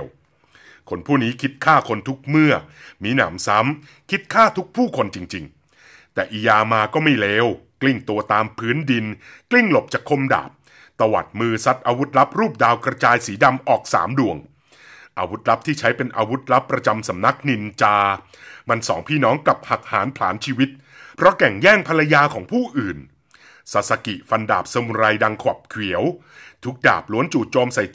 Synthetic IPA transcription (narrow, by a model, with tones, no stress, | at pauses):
w | kʰo˧npʰuː˥˩niː˦˥kʰi˦˥t̪̚kʰaː˥˩kʰo˧nt̪ʰu˦˥k̚mɯ˥˩ɐmiː˦˥na̰ː˩˦msa˦˥m | kʰi˦˥t̪̚kʰaː˥˩t̪ʰu˦˥k̚pʰuː˥˩kʰo˧nt͡ɕi˧ŋt͡ɕi˧ŋ | t̪ɛː˨˩ʔiː˨˧˦jaː˧maː˧kɔː˥˩ma˥˩jlɛː˦˥wkli˥˩ŋt̪u˧ɐt̪aː˧mpʰɯː˦˥ndi˧nkli˥˩ŋlo˨˩p̚t͡ɕaː˨˩kʰːo˧mda̰ː˨˩p̚ | t̪a˧wa̰˨˩t̪̚mɯː˧sa˦˥t̪̚ʔaː˧wu˦˥t̪̚la˦˥p̚ɾuː˥˩p̚daː˧wkɾa˧t͡ɕaː˧jsiː˩˦da˧mʔɔː˨˩k̚sa̰ː˩˦mdu˨˩əŋ | ʔaː˧wu˦˥t̪̚la˦˥p̚t̪ʰiː˥˩t͡ɕʰa˦˥jpe˧nʔaː˧wu˦˥t̪̚la˦˥pːɾa˧t͡ɕa˧msa˩˦mna˦˥k̚ni˧nt͡ɕaː˧ | ma˧nsɔ̰ː˩˦ŋpʰiː˥˩nɔː˦˥ŋkla˨˩p̚ha˨˩k̚ha̰ː˩˦npʰlaː˩˦nt͡ɕʰiː˧wi˦˥t̪̚ | pʰɾɔ˦˥kɛ˨˩ŋjɛː˥˩ŋpʰa˧la˧jaː˧kʰɔː˩˦ŋpʰuː˥˩ʔɯː˨˩n | sa˨˩t̪̚sa˧kḭ˨˩fa˧nda̰ː˨˩p̚sa˧mu˧ɾa˧jda˧ŋkʰwa˨˩p̚kʰwi˨˩˦əw | t̪ʰu˦˥k̚da̰ː˨˩p̚lu˨˦ənt͡ɕuː˨˩t̪̚t͡ɕoː˧msa˨˩j